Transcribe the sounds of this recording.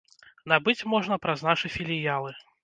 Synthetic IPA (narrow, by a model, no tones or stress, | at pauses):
nabɨt͡sʲmɔʐnɐpɾɐznaʂɨfʲilʲijalˠɨ